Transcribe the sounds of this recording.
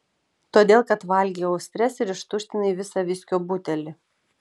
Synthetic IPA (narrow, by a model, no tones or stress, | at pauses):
t̪oːd̪ʲeːlˠkɐt̪ʋɐlʲɡʲiːɐʊsʲt̪ʲɾʲɛsɪɾɪʃt̪ʊʃʲt̪ʲɪnɐiːʋʲɪsɑʋʲɪsʲkʲoːbut̪ʲɛlʲɪ